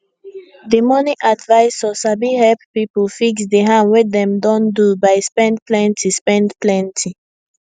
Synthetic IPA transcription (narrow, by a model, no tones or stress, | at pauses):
demɔniʔadvaɪsɔsabihɛlppipəlfiksdeɦãnwɛdɛ̃mdɔ̃ndubaɪspɛ̃ndplɛ̃ntʰispɛ̃ndplɛ̃ntʰi